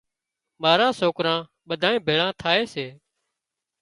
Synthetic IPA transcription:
maːɾãːsoːkɾãː | ɓəd̪ʱaːẽːbʱeːɭãːt̪ʰaːeːseː

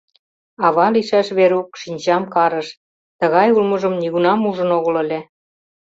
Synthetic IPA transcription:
ɑβɑliʃæʃβeɾukʃinʲt͡ɕɑmkɑɾə̆ʃ | t̪ə̆ɣɑjulməʒə̆mniɣunɑmuʒə̆noɣə̆lĕlʲe

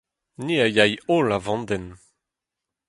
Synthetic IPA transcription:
niajajolavɑ̃nd̪ɛn

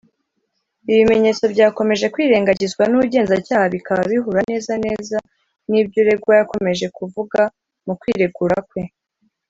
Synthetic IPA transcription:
iβime̞ɲe̞ːt͡so̞bɟaːko̞me̞ʒe̞kwiːɾe̞ːŋɡaɟizɡwanuuɟe̞ːnzacaːhaβikaβaβiɦuɾane̞ːzane̞ːza | nibɟoɾe̞bɡwajako̞me̞ʒe̞kuvuɡa | mukwiːɾeɡuɾakwe̞

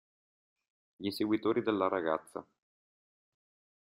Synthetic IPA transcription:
ʎinseɡwit̪oːɾid̪elːaɾaɡa̰t̪sːa̰

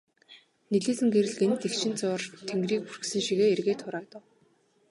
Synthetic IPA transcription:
neɮeːsɘ̆ŋɡeɾɘ̆ɮɡent̪ekt͡ɕʰɪ̆nt͡sʊːrt̪ʰeŋɡriːkurɘ̆ksɘ̆ŋʃiɣeːerɣeːt̪ʰʊɾaːt̪ə̆w

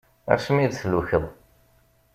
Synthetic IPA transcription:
æ̰ɾʃmiðθəlːuçəðˤ

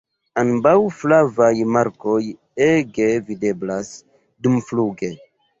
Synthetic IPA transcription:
anbawflavajmaɾko̞j | eɡevide̞blas | dumfluɡe̞

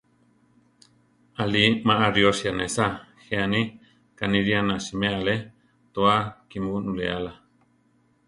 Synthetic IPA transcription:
alimaʔaɾjosjanesaxeani | kaniɾianasimeale | t̪oakimunulḛala

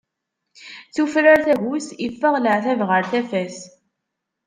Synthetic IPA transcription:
θufɾaɾθæʝusifːəʁləʕθævʁəɾθæfæs

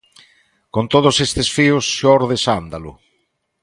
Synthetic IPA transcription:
kont̪oð̞ʊsest̪esfiʊsʃɔɾðesand̪alʊ̰

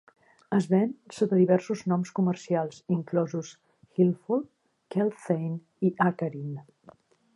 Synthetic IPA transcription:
əzβɛnsotəðiβɛɾsuznɔmskumərsialˠsiŋklɔzus | xilˠfulˠ | kɛlˠfejn | iʔakəɾin

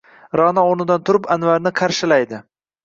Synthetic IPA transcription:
ɾɒnaoɾnɪd̪ant̪ʰʊɾɪpanvaɾnɪqʰɑɾʃɪlajd̪ɪ

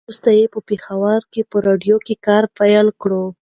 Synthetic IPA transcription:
ust̪ajepəpexawəɾkepəɾɑɖjokekɑɾpajəlkɽo

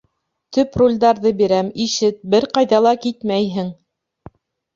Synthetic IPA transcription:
t̪ɵprulʲd̪ɑɾðɤbiɾæmiʃɘt̪̚bɘɾqɑjðɑlˠɑkit̪mæjɦɘŋ

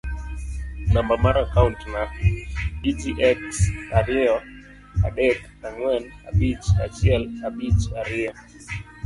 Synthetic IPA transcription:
nambamaɾakauntna | itiʔɛksaɾɪɔ | a̰ɗɛk | aŋwɛna̰ɓit͡ʃa̰t͡ʃiɛlaɓit͡ʃaɾɪɔ

